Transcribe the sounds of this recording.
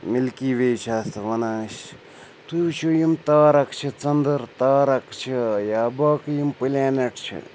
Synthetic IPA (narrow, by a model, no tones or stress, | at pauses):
milkiːʋeːt͡ʃʰaːst̪ɨʋɐnaːɕ | t̪uwt͡ʃʰujimt̪aːɾɐkt͡ʃʰit͡sɐnd̪ɐɾt̪aːɾɐkt͡ʃʰijaːbaːkjimpɨlʲaːneʈt͡ʃʰḭ